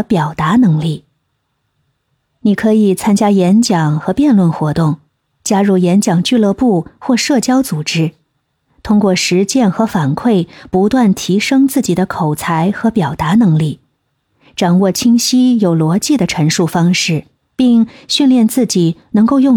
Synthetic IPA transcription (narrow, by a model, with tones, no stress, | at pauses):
pjɑ˨˩ʊt̪a˧˥nɤ˧˥ŋli˥˩ | ni˨˩kʰɤ˧˥i˨˩t͡sʰa˥nt͡ɕja˥jɛ˧˥nt͡ɕjɑ˨˩ŋxɤ˧˥pjɛ˥˧nlwə˥˩nxwɔ˧˥t̪ʊ˥˩ŋ | t͡ɕja˥ɻu˥˩jɛ˧˥nt͡ɕjɑ˨˩ŋt͡ɕy˥˧lɤ˥˧pu˥˩xwɔ˥˧ʂɤ˥˩t͡ɕjɑ˥ʊt͡su˨˩ʈ͡ʂɻ̩˥ | t̪ʰʊ˥ŋkwɔ˥˩ʂɻ̩˧˥t͡ɕjɛ˥˩nxɤ˧˥fa˨˩nkʰwe˥˩ɪpu˧˥t̪wa˥˩nt̪ʰi˧˥ʂɤ˥ŋt͡sɹ̩˥˩t͡ɕi˨˩d̪ə˦kʰo˨˩ʊt͡sʰa˧˥ɪxɤ˧˥pjɑ˨˩ʊt̪a˧˥nɤ˧˥ŋli˥˩ | ʈ͡ʂɑ˨˩ŋwɔ˥˩t͡ɕʰi˥ŋɕi˥jo˨˩ʊlwɔ˧˥t͡ɕi˥˩d̪ə˩ʈ͡ʂʰə˧˥ŋʂu˥˩fɑ˥ŋʂɻ̩˥˩ | pi˥˩ŋɕy˥˧nljɛ˥˧nt͡sɹ̩˥˩t͡ɕi˨˩nɤ˧˥ŋko˥˧ʊjʊ˥˧